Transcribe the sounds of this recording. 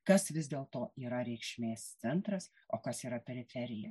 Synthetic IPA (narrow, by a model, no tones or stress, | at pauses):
kɐsʋʲɪzd̪ʲeːlˠt̪oːiːɾɐɾʲɛɪkʃʲmʲeːst̪sʲɛnt̪ɾɐs | oːkɐsiːɾɐpʲɛɾʲɪfʲɛɾʲɪjɛ